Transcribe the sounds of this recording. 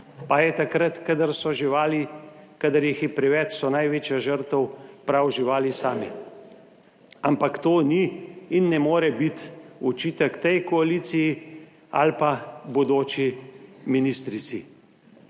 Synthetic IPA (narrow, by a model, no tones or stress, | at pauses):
pajɛt̪akɾət̪kad̪əɾsɔʒiʋaːlikad̪əɾjixipɾɛʋɛt͡ʃsɔnajʋeːt͡ʃjaʒəɾt̪əwpɾawʒiʋaːlisaːmḭ | ampakt̪oːniːnːɛmoːɾɛbit̪ut͡ʃiːt̪əkt̪ɛjkɔalisiji | a̰lpabɔd̪oːt͡ʃiminist̪ɾit̪si